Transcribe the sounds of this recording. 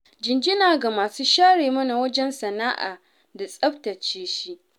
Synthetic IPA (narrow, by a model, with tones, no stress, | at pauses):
d͡ʒɪ˨nd͡ʒɪ˦naː˨ɡa˨maː˨suː˦ʃaː˦ɽeː˨mɐ˦na˨wɐ˦d͡ʒɛ˦nsɐ˨naː˦ʔa̰ː˨ | da˨sʼɐ˦ɸtɐ˨t͡ʃeː˦ʃi˦ʔ